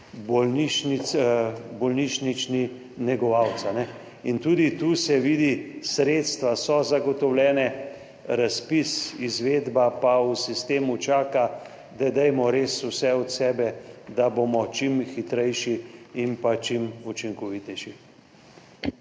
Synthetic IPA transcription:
bɔlniʃnit̪sbɔlniʃnit͡ʃni | nɛɡɔʋawt̪sanɛ | int̪uːd̪it̪uːsɛʋiːd̪isɾeːt̪st̪ʋasɔzaɡɔt̪ɔwlʲɛːnɛ | ɾaspisizʋeːd̪bapausist̪eːmut͡ʃaːka | d̪ɛd̪ɛjmɔɾesuwsɛɔt̪sɛːbɛd̪aboːmɔt͡ʃimxit̪ɾɛjʃiimpat͡ʃimut͡ʃiŋkɔʋit̪ɛʃi

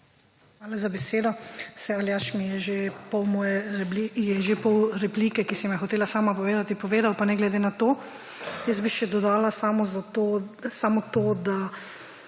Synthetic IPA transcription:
xʋaːlazabɛseːd̪ɔsɛaljaːʃmijɛʒepɔwmɔːjɛɾɛblijɛʒepɔwɾɛpliːkɛkisɛmɛjxɔt̪eːlasaːmapɔʋeːd̪at̪ipɔʋeːd̪awpanɛɡlɛd̪eːnat̪oː | jəzbiʃɛd̪ɔd̪aːlasamɔzat̪osaːmɔt̪oːd̪a

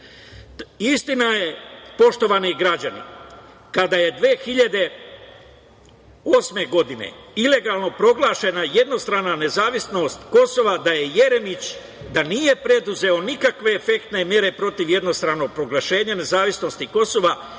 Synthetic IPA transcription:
ist̪inaje̞po̞ʃt̪o̞ʋaniɡɾad͡ʑanḭ | kad̪aje̞d̪ʋeːxiʎad̪e̞ | o̞ːsme̞ɡo̞d̪inḛile̞ɡaːlˠno̞pɾo̞ɡlˠaːʃe̞naje̞d̪no̞st̪ɾaːnane̞zaːʋisno̞st̪ko̞so̞ʋad̪aje̞je̞ɾe̞mit͡ɕ | d̪anije̞pɾe̞d̪uze̞o̞nikakʋe̞ːfekt̪ne̞mje̞ɾe̞pɾo̞t̪iʋje̞d̪no̞st̪ɾaːno̞ɡ̚pɾo̞ɡlˠaʃe̞ːɲane̞zaːʋisno̞st̪iko̞so̞ʋa

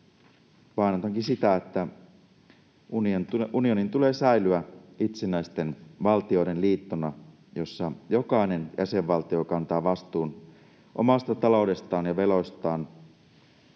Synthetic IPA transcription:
ʋɑinot̪ɑŋkinsit̪æet̪ːæ | unionunio̞nint̪ule̞ːsæilyæit̪senæjst̪e̞nʋɑlt̪io̞iɾe̞nliːt̪ːonɑ | jo̞sːɑjo̞kɑine̞njæ̰se̞ʋːɑlt̪io̞kɑnt̪ɑːʋɑst̪uːn | ʔo̞̰mɑst̪ɑt̪ɑlo̞wde̞st̪ɑːnjɑʋe̞lo̞jst̪ɑːn

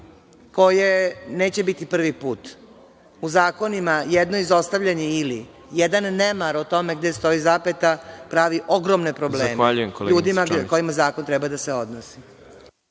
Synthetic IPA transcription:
ko̞jeneːt͡ɕe̞bit̪ipr̩ʋipuːt̪ | uzaːko̞nimajed̪no̞izo̞st̪aʋʎaɲeili | jed̪anːemaɾot̪o̞me̞ɡd̪est̪o̞izaːpet̪apɾaːʋiʔoɡɾomne̞pɾo̞bleːmmaʎujekoluːd̪imako̞imazaːko̞nt̪ɾɛbad̪aseo̞d̪nosi̥

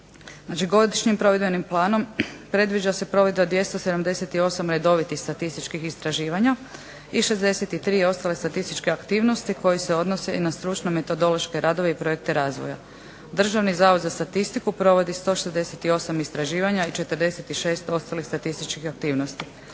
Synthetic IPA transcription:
nat͡ʃiɡo̞d̪iʃɲimpɾo̞ʋed̪be̞nimplˠaːno̞mpɾe̞d̪ʋid͡ʒase̞pɾo̞ʋed̪bad̪ʋje̞st̪o̞se̞d̪amd̪e̞set̪io̞samɾe̞d̪o̞ʋit̪ixst̪at̪ist̪it͡ʃkixist̪ɾaʒiːʋaɲa | iʃe̞zd̪e̞set̪it̪ɾiːo̞st̪ale̞st̪at̪ist̪it͡ʃkeakt̪iːʋno̞st̪iko̞jiseo̞d̪no̞se̞inast̪ɾut͡ʃnome̞t̪od̪o̞lo̞ʃke̞ɾʔaːd̪o̞ʋeipɾoek̚t̪e̞ɾaːzʋo̰ja̰ | d̪r̩ʒaʋnizaːʋod̪zast̪at̪ist̪ikupɾo̞ʋo̞d̪ist̪o̞ʃezd̪e̞set̪io̞samist̪ɾaʒiːʋaɲait͡ʃe̞t̪əɾd̪e̞set̪iʃe̞ːst̪o̞st̪alixst̪at̪ist̪it͡ʃkixak̚t̪iːʋnost̪i

